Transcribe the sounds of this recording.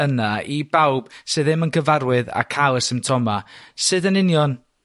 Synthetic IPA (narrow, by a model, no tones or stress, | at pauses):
ənaibawb̥sɨːðɨmənkʰəvaɾwɨða̰kʰalˠəsɪmtʰɔmasɨːðənɪnjɔn